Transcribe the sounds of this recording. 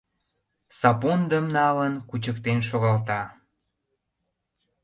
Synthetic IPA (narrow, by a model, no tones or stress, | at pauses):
sɑpond̪əmnɑlənkut͡ɕəkt̪enʃoɣɑlt̪ɑ